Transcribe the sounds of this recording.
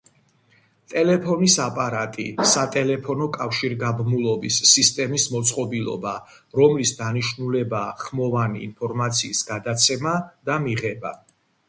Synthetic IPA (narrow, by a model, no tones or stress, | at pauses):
t̪ʼɛlɛpʰɔnisapʼaɾat̪ʼisat̪ʼɛlɛpʰɔnɔkʼafʃiɾɡabmulˠɔbisːist̪ʼɛmismɔt̪sʼqʼɔbilˠɔ̰ba | ɾɔmlisd̪aniʃnulɛbaχmɔvanḭːnpʰɔɾmat̪sʰiːsɡad̪at̪sʰɛmad̪̥amiʁɛba̰